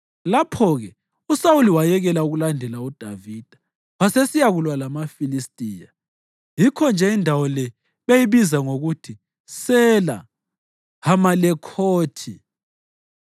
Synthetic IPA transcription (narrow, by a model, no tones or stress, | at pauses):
lapʰɔɣɛ | usauliwajɛɣɛlauɣulandʱɛlaud̥ʱavid̥ʱḁ | βasesijaɣulwalamafilistʼiːja | jikʰɔnd͡ʒʱɛindʱawɔlɛ | βejiβizaŋoɣutʰi | sɛla̰ | hamalɛkʰoːtʰi